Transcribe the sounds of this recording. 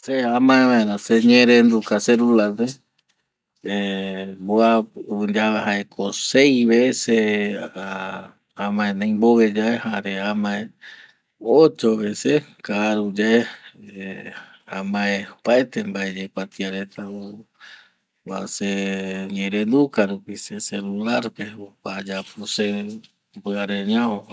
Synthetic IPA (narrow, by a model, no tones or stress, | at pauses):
seamãeβãeɾãseɲẽɾẽnd̪ukaseɾulad̪e | eboand͡ʒaβahaʔekʰosejβeesea | ãmãẽnãj̃mboβed͡ʒaʔehaɾeamãẽ | ot͡ʃoβesekaɾud͡ʒaʔe | amãepaet̪embaed͡ʒekʷat̪iaɾet̪au | wa̰seɲẽɾend̪ukaɾupiseselulaɾpeokad͡ʒapuse | bɨaɾeɲão